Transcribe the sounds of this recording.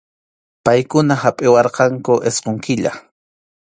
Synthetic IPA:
pajkʊnahapʼɪwɑɾqɑŋkʊʔesqoŋkɪʎa̰

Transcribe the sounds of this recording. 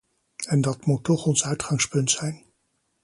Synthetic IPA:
ɛndɑtmutːɔχɔnsœɥtχɑŋspɵntsɛjn

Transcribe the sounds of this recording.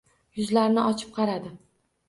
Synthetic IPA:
jʊzlaɾnɪʔɒt͡ʃʰɪ̥p̚qʰɑɾad̪ɪ

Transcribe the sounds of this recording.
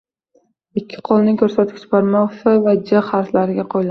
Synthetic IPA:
ɪkʲʰːɪ̥qʰolˠnɪŋkʲʰɵɾsat̪ʰɪ̥kʲt͡ʃbaɾmɒʁsɪvad͡ʒaχhaɾslaɾɪɡʲaqʰojla

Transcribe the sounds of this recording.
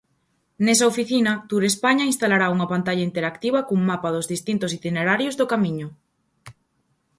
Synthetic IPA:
nesaofiθinɐt̪uɾespaɲainst̪alaɾauŋɐpant̪aʎaint̪eɾakt̪iβɐkuŋmapaðozðist̪int̪os̬it̪ineɾaɾjozðokamĩɲoʊ

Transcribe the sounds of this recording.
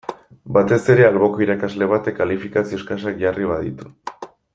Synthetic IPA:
bat̪e̞se̞ɾe̞alβo̞ko̞iɾakazle̞β̞at̪ekalifikasio̞skas̬akʝariβað̞ḭt̪u̥

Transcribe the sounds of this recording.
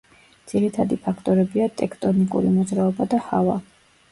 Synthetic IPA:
d̪z̥iɾit̪ʰad̪ipʰakʰt̪ʼɔɾɛbiat̪ʼɛkʰt̪ʼɔnikʼṵɾimɔd̪zɾaɔbad̪ahava̰

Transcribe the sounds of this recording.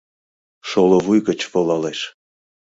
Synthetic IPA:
ʃolovujɣə̆t͡ɕvolɑleʃ

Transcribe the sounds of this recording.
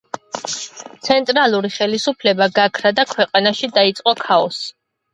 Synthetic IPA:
t̪sʰɛnt̪ʼɾalˠuɾiχɛlisupʰlɛbaɡakʰɾad̪akʰwɛqʼanaʃid̪ait̪sʼqʼɔkʰaɔs

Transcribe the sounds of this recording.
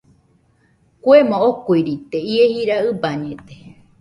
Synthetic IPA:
kʷemõokuiɾit̪eiehiɾaɨbaɲẽt̪e

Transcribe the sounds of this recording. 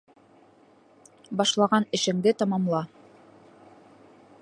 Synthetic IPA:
bɑʃlˠɑʁɑnɘ̆ʃɘ̆ŋd̪ɘt̪ɑmɑmlˠɑ

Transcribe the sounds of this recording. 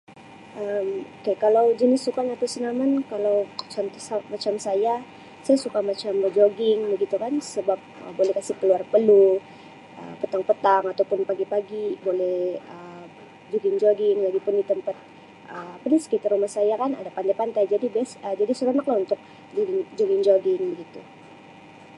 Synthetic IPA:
ʔəmokekalawd͡ʒənɪsːukanat̪usənamankalawt͡ʃɔnt̪ɔsamat͡ʃamsaja | sajasukamat͡ʃambərd͡ʒoɡɪŋbəɡit̪ukansəbap̚ə̰bolɛhkasipəluarpəlu | ə̰pət̪aŋpət̪aŋat̪awpʊnpaɡipaɡibolɛhə | d͡ʒoɡɪŋd͡ʒoɡɪŋlaɡipʊndit̪əmpat̪̚ | ʔəpɾɪnskit̪arɾumahsajakana̰dapand̪ajpant̪ajd͡ʒadibasəd͡ʒadisəɾonaklahunt̪ʊk̚ | d͡ʒoɡɪŋd͡ʒoɡɪŋd͡ʒoɡɪŋbəɡit̪u

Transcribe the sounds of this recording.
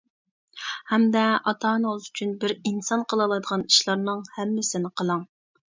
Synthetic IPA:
hɛmd̪ɛɑt̪ʰɑːnɨzyt͡ʃʰynbɪɾinsɑnqʰəlˠɑlˠɑjd̪əʁɑni̥ʃlˠɑɾnɨŋhɛmːɪsɪnɪqʰəlˠɑŋ

